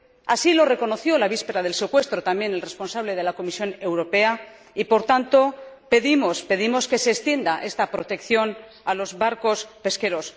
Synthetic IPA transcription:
asilo̞re̞ko̞no̞θjo̞laβ̞ispe̞ɾað̞e̞lse̞kwe̞st̪ɾot̪amje̞nelre̞spo̞nsaβle̞ð̞e̞lako̞misjo̞ne̞wɾo̞pe̞a | ipo̞ɾt̪ant̪o̞pe̞ðimo̞spe̞ðimo̞ske̞se̞ːst̪je̞nd̪aʔe̞st̪apɾo̞t̪e̞kθjo̞n | alo̞zβaɾko̞spe̞ske̞ɾo̞s

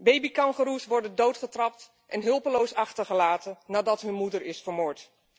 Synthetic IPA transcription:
bejbikɑŋχəɾusʋɔɹdəndowtχətrɑp̚t | ʔɛnɦɵlˠpəlowsɑχtəɹχəlaːtənnaːdɑtɦɵnmudəɹɪsfəɹmoːɹt

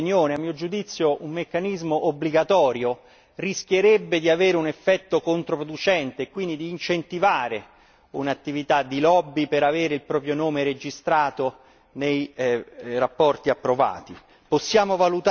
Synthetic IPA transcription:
njoːneamːiːod͡ʒud̪it̪sːjoʔumːekːanizmoʔobːliɡat̪ɔːɾjo | risk̟jeɾɛbːed̪iaveːɾeunefːɛt̪ːokont̪ɾopɾod̪ut͡ʃɛnt̪eːkːwind̪id̪iːnt͡ʃent̪ivaːɾe | unat̪ːivit̪ad̪ːilɔbːipeɾaveːɾeilpɾɔːpɾjonoːmeɾed͡ʒist̪ɾaːt̪o | nej | rapːɔrt̪iapːɾova̰ːt̪i | posːjaːmovalut̪

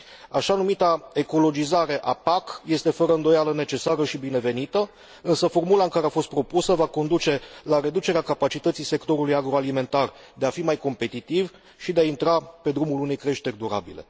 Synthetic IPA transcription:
aʃanumit̪ae̞ko̞lo̞d͡ʒizaɾe̞ʔapakje̞st̪e̞fəɾəɨnd̪o̞jaləne̞t͡ʃe̞saɾəʃibine̞ve̞nit̪ə | ɨnsəfo̞rmulaɨŋkaɾeafo̞st̪pɾo̞pusəvako̞nd̪ut͡ʃe̞laɾe̞d̪ut͡ʃe̞ɾeakapat͡ʃit̪ət̪sijse̞kt̪o̞ɾulujaɡɾo̞alime̞nt̪ar | d̪e̞afimajko̞mpe̞t̪it̪iv | ʃid̪e̞aint̪ɾape̞d̪ɾumulune̞jkɾe̞ʃt̪e̞rʲd̪uɾa̰bḭle̞̰

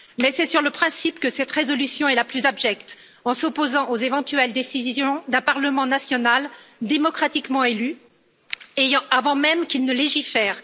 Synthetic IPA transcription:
mɛsɛsyʁləpχɛ̃sipkəsɛt̪ʁezɔlysjɔ̃ɛlaplyzabʒɛkt̪ | ɑ̃sɔpozɑ̃ʔozevɑ̃t̪yɛld̪esizjɔ̃d̪ɛ̃paʁləmɑ̃nasjɔnald̪emɔkχat̪ikmɑ̃ely | ejɑ̃ʔavɑ̃mɛmkʲilnəleʒifɛːʁ

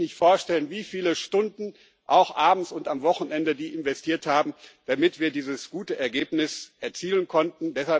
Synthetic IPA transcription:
nɪçtfoːɐʃtɛlənviːfiːləʃtʊndn̩ | ʔaʊxʔaːbm̩sʊntamvɔxn̩ɛndədiːʔɪnvɛstʰiːɐthaːbm̩d̥amɪtv̥iːɐdiːzəsɡ̥uːtəʔɛɐɡeːpnɪsʔɛɐt͡siːlənkʰɔntn̩dɛshal

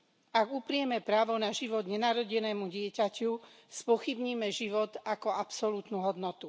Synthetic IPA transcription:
aɡupɾɪɛmɛpɾaːʋɔnaʒiʋɔd̪ɲɛnaːɾɔɟɛnɛːmuɟɪɛcacu | spɔxibɲiːmɛʒiʋɔt̪akɔapsɔlut̪nuɦɔd̪nɔt̪u

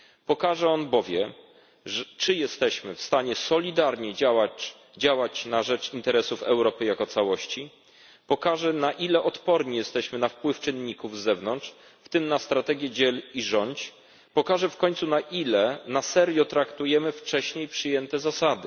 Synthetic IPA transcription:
pɔkaʐɛɔnbɔvʲjɛ̰ | t͡ʂɘjɛst̪ɛɕmɘfst̪aɲɛsɔlʲid̪aɾɲɛawa | d͡ʑawat͡ɕnaʐɛt͡ʂint̪ɛɾɛsufɛwɾɔpɘjakɔt̪sawɔɕt͡ɕi | pɔkaʐɛnaʔilɛʔɔt̪pɔɾɲijɛst̪ɛɕmɘnafpwɘft͡ʂɘnːɲikuvzɛvnɔntʂ | ft̪ɘmnast̪ɾat̪ɛɡʲjɛd͡ʑɛliʐɔɲt͡ɕ | pɔkaʐɛfkɔɲt̪sunaʔilɛnasɛɾjɔt̪ɾakt̪ujɛmɘft͡ʂɛɕɲejpʂɘjɛnt̪ɛzasad̪ɘ

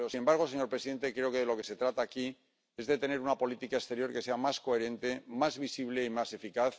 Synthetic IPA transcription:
osinembaɾɣ̞o̞se̞ɲoɾpɾesiðe̞nt̪e̞kɾe̞o̞ke̞ðelo̞ke̞se̞t̪ɾat̪aːki | e̞zðe̞t̪e̞ne̞ɾunapo̞lit̪ikaest̪e̞ɾjo̞ɾke̞se̞amasko̞e̞ɾe̞nt̪e̞mazβisiβ̞le̞imase̞fikaθ

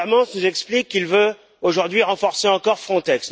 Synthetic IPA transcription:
mɑ̃snuzɛksplikːilvø | oʒuʁd̪ɥiʁɑ̃fɔʁseɑ̃kɔʁfχɔ̃t̪ɛks

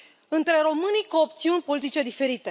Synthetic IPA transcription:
ɨnt̪ɾe̞ɾo̞mɨnikoːp̚t̪siunʲpo̞lit̪it͡ʃe̞d̪ife̞ɾit̪e̞

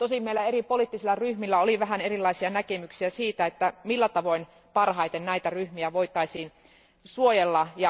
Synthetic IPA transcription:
t̪osimmeilːæeripoliːt̪ːisilːɑryhmilːæoliʋæɦænerilːɑisiɑnækemyksiæsiːt̪æet̪ːæmilːæt̪ɑʋo̞in | pɑrhɑit̪ennæit̪æryhmiæʋoit̪ˑɑisiːn | suojelːɑjɑ

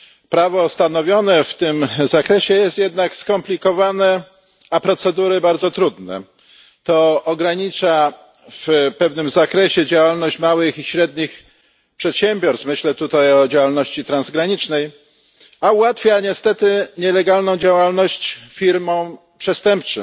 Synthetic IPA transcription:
pɾavɔst̪anɔvʲjɔnɛft̪ɘmzakɾɛɕɛjɛst̪jɛd̪nakskɔmplʲikɔvanɛ | apɾɔt̪sɛd̪uɾɘbaɾd̪zɔt̪ɾud̪nɛ̰ | t̪ɔɔɡɾaɲit͡ʂa | fpɛvnɘmzakɾɛɕɛd͡ʑawalnɔɕt͡ɕmawɘxiɕɾɛd̪̚ɲix | pʂɛt̪ɕɛmʲbʲjɔɾst̪mɘɕlɛt̪ut̪ajɔd͡ʑawalnɔɕt͡ɕit̪ɾanzɡɾaɲit͡ʂnɛj | auwat̪fʲjaɲɛst̪ɛt̪ɘɲɛlɛɡalnɔ̃w̃d͡ʑawalnɔɕt͡ɕfʲiɾmɔ̃w̃ | pʂɛst̪ɛmp̚t͡ʂɨ̰

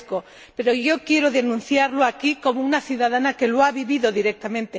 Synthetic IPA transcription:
ko | peɾoʝokjeɾoðenũn̟θjaɾloakikomounaθjuðaðanakeloaβiβiðoðiɾek̚t̪amẽnt̪e

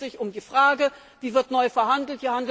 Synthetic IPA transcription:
z̥ɪçʊmdiːfʁ̥aːɡə | viːvɪɐtnɔʏfɛɐɦandl̩tv̥iːɐhand

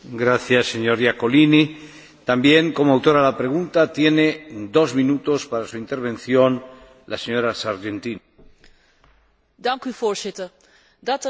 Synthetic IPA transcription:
ɡɾaθjasːe̞ɲo̞ɾjako̞lini | t̪ambje̞ŋko̞moawt̪o̞ɾalapɾe̞ɣ̞unt̪at̪je̞ne̞d̪o̞zmĩnut̪o̞spaɾasuint̪e̞ɾβ̞ẽ̞nθjo̞n | laseɲo̞ɾasaɾʝent̪in | dɑŋkyvoːɹzɪtər | dɑt

